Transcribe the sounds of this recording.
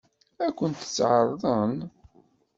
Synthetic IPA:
ækʷːənt̪ə̥t͡sːʕɑɾˤðˤən

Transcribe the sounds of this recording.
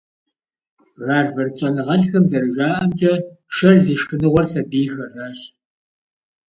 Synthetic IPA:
ɣaːrvɐrt͡ʃʼɐnɨʁɐɬxɐmzɐrɨʒaːʔɐmt͡ʃʼɐ | ʃɐrziːʃxɨnɨʁʷɔrsɐbiːxɐraɕ

